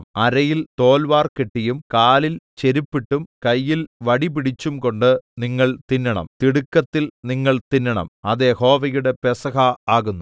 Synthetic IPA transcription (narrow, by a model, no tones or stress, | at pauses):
ɐɾɐjilt̪o̞ːlʋaːrkeʈːijumkaːlilt͡ɕe̞ɾipːiʈːumkɐjːilʋɐɽipiɽit͡ɕːumko̞ɳɖɨniŋːɐɭt̪inːɐɳɐ̰mt̪iɽukːɐt̪ːilniŋːɐɭt̪inːɐɳɐ̰mɐðe̞ho̞ːʋɐjuɽe̞pesɐɦɐaːɣunːu